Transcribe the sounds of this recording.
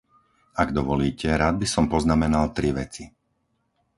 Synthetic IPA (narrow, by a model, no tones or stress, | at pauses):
aɡd̪ɔʋɔliːcɛɾaːd̪̚bisɔmpɔznamɛnalt̪ɾiʋɛt͡si